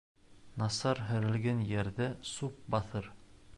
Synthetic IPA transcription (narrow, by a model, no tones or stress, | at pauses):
nɑsɑɾɦɘ̆ɾɘ̆lɡænjæɾðæsup̚bɑθɤɾ